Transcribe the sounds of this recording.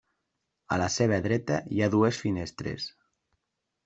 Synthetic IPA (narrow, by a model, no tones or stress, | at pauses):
a̰laseβ̞əðɾɛt̪ajaðuesfinest̪ɾḛs